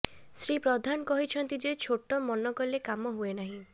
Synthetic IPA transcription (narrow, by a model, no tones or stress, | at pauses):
sɾipɾɔd̪ʱankɔɦit͡ʃʰɔnt̪id͡ʒet͡ʃʰoʈɔmɔnɔkɔlekamɔɦuenaɦĩ